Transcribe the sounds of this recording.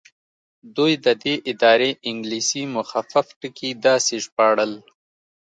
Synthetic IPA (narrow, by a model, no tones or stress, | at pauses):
d̪ujd̪əd̪eʔɪd̪ɑːɾeʔɪŋɡliːsimʊxafafʈəkid̪ɑːseʒpɑːɽəl